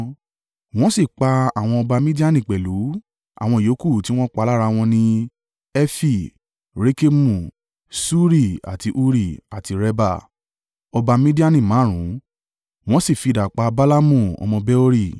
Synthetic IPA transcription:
w̃ɔ̃˦si˦˨k͡pa˧a˨w̃ɔ̃˧ɔ˧ba˧mĩ˦di˦a˦˨nĩ˨k͡pɛ˨lu˨˦ | a̰˦˨w̃ɔ̃˧i˨jo˨˦ku˦˨ti˦w̃ɔ̃˦k͡pa˧˦la˦ɾa˧w̃ɔ̃˧nĩ˧ | ɛ˦fi˦˨ | ɾe˦ke˦mũ˦˨ | su˦ɾi˦˨a̰˨ti˧ʔu˦ɾi˦˨a˨ti˨˧ɾɛ˧ba̰˦˨ | ɔ˧ba˧mĩ˦di˦a˦nĩ˦˨mãː˨˦ɾ̃ũ˨˦ | w̃ɔ̃˦si˦˨fi˨˧˨da˨k͡pa˧ba˦la˦mũ˦˨ɔ̰˧mɔ̃˧bɛ˦o˦ɾi˦˨

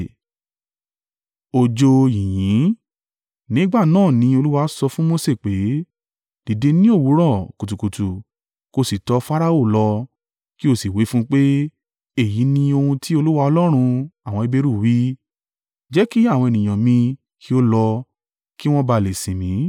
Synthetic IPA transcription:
o˧d͡ʒo˧jĩ˨jĩ˨˦ | nĩ˨˦ɡ͡ba˦˨nãː˦˨nĩ˧˦o˧lu˦wa˧˦sɔ˧fũ˦mo˧se˦˨k͡pe˨˦ | d̥i˨de˧nĩ˦o˦˨wu˨˦ɾɔ̃˦˨ku˨tu˨ku˨tu˨ | ko˧si˨tɔ˨˧˦fa˦ɾa˦o˦˨lɔ˧ | ki˦o˦˨si˨wi˨˦fũ˦k͡pe˦ | e˦˨ji˨˦nĩ˧o˧hũ˧tʰi˦o˧lu˦wa˧ɔ˧lɔ˦ɾ̃ũ˧a˨w̃ɔ̃˧i˧be˦˧ɾu˦˨wi˦ | d͡ʒɛ˦ki˦a˦˨w̃ɔ̃˧e˨nĩ˨j̃ã˨mĩ˧ | kʰi˦o˦lɔ˧ | ki˦w̃ɔ̃˦ba˧˨le˨sĩ˨mĩ˨˦

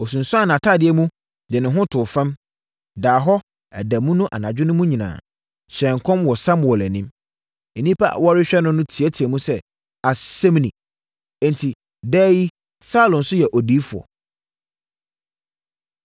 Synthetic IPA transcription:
ɔ˨s̬ũ˨n̩˨sʊ˦a˦˨n˨ã˨tʰa˦˨dɪ˨ɛ˦mũ˦ | dɛ˨nɪ̃˨ɦʊ̃˦tʰʊ˨fã˦m | daː˨ɦɔ˦ | æ̰˨dæ˨mũ˦nʊ̃˦ʔa̰˨nã˨d͡ʑᶣɪ˦nʊ̃˦mũ˦ɲĩ˨nã̰ː˨ | ɕɛ̃˨ŋkʰɔ̃˦mwɔ˨sã˦mwɔ˨læ˨nĩ˦m | ɛ˨nĩ˦pʰa̰˦˨wɔ˦ɾɪ˦ɕᶣɛ˦nʊ̃˦nʊ̃˦tʰi˨ɛ˦tʰi˨ɛ˨mũ˦sɛ˦ | a˨sɛ̃˦m˦nĩ˨ | ɛ̃˦n˨tʰi˨ | dɛː˦ji˦ | sa˦lɔ̃˨nsʊ˦jɛ˨ʔɔ˨diː˦fu˨ɔ̰˨

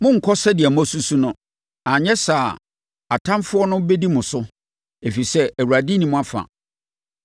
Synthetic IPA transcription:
mʊ̃˦ŋ̩˨kʰɔ˦sɛ˦dɪ˨ɛ˨mʊ̃˦æ˦su˦su˦nʊ̃˦ | ã˨ɲɛ˦saː˨ | a˨tʰã˦mfʊ˦ɔ˦nʊ̃˦be˦di˦mʊ̃˨sʊ˦ | e˨fi˨sɛ˦æ˨wu˨ɾa˨di˦nĩ˦mʊ̃˦a˦˨fã̰˨

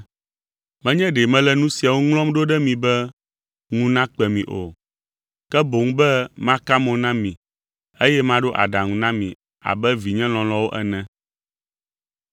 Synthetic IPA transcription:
mɛ̃˦ɲɛ̃˦ɖe˨mɛ̃˦lɛ˦nũ˦si˨a˨wo˦ŋlɔ̃˦mɖo˦ɖɛ˦mĩ˨bɛ˦ | ŋũ˨nã˦k͡pɛ˨mĩ˨ʔo̰˨ | kɛ˦bo˨ŋ̩ũ˦bɛ˦mã˦ka˦mɔ̃˨nã˦mĩ˨ | e˦jɛ˦mã˦ɖo˦ʔa̰˨ɖa˨ŋũ˨nã˦mḭ̃˨ | a̰˨bɛ˦vi˨ɲɛ̃˦l̃ɔ̃˨lɔ̃˦wo˦ʔɛ˦nɛ̃˦

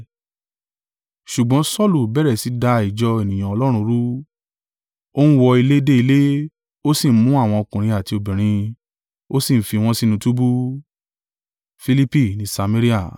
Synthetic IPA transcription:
ʃu˨ɡ͡bɔ̃˨˦sɔ˦˨lu˨bɛ˦ɾɛ˨si˨˦da˧i˨d͡ʒɔ˧e˨nĩ˨j̃ã˨ɔ˧lɔ˦ɾ̃ũ˧ɾu˦ | o˦nũ˦wɔ˧i˧le˦de˦i˧le˦ | o˦sĩ˦˨˦mũ˨˦a˦˨w̃ɔ̃˧o˧kũ˨ɾ̃ĩ˧a˨ti˧o˧˨bĩ˨ɾ̃ĩ˧ | o˦si˦˨fi˧w̃ɔ̃˦si˦nũ˧tu˦bu˦ | fi˧li˦pi˦˨nĩ˨˦sa˧me˦ɾi˦a˦˨

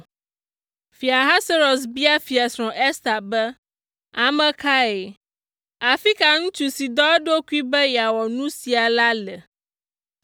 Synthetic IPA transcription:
fi˨a˨ɦa˦se˦ɾo˨s̬bi˦a˦fi˨a˨sɾ̃ɔ̃˨ʔɛ˦st̪a˨bɛ˦ | a˨mɛ̃˦ka˦e˨ | a˨fi˦ka˨ŋũ˦t͡ʃu˦si˨d̪ɔ˦ɛ˦ɖo˦ku˦i˦bɛ˦ja˨wɔ˨nũ˦si˨a˨la˦lɛ˨

